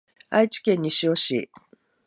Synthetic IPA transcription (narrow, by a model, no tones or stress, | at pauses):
a̰it͡ɕi̥kẽ̞ɲ̟ːiɕio̞ɕḭ